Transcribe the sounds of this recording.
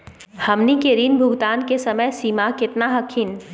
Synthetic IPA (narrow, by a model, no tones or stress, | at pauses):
hɐmnikeɾiːnbʱʊɡt̪aːnkesɐməjsiːmakɪt̪naɦɐkʰin